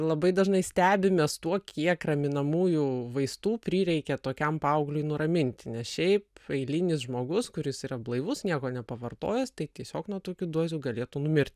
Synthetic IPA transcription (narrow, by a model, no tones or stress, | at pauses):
lˠɐbɐɪd̪ɐʒnɐɪsʲt̪ʲæːbʲɪmʲɛst̪uɔkʲʰiɛkrɐmʲɪnɐmuːjuʋɐɪst̪uːpʲɾʲiːɾʲɛɪkʲɛt̪oːkʲɛmpɐɐʊɡlʲʊɪnʊɾɐmʲɪnʲt̪ʲɪnʲɛsʃʲɛɪpɐɪlʲɪnʲɪsʒmoːɡʊskʊɾʲɪsiːrɐblˠɐɪʋʊsnʲiɛkoːnʲɛpɐʋɐrt̪o̰ːjɛst̪ɐɪt̪ʲiɛsʲoːknuɔt̪uːkʲud̪uɔzʲuːɡɐlʲeːt̪uːnʊmʲɪɾʲt̪ʲ